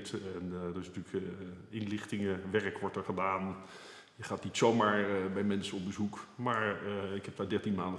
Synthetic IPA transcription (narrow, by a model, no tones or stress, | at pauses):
tɛndɔɪsnətyːləkɪnlɪχtɪŋəʋɛrəkʋɔɹtəɹχədaːn | jəχaːtnitsowmaːɹbɛjmɛnsəɔmbəzukmaːɹɪkhɛp̚ʋɛdɛɹtinmaːndə